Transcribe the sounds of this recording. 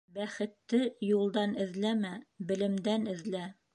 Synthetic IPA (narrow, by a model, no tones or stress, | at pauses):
bæχɘ̆t̪ːɘjulˠd̪ɑnɘ̆ðlæmæbɘ̆lɘ̆md̪ænɘ̆ðlæ